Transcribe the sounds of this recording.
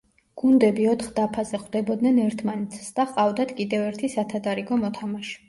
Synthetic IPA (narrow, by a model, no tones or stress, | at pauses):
ɡ̥und̪ɛbiɔt̪ʰχd̪apʰazɛχd̪ɛbɔd̪nɛnɛɾt̪ʰmanɛt̪sʰsd̪aχqʼavd̪at̪ʰkʼid̪ɛvɛɾt̪ʰisat̪ʰad̪aɾiɡɔmɔt̪ʰamaʃɛ̥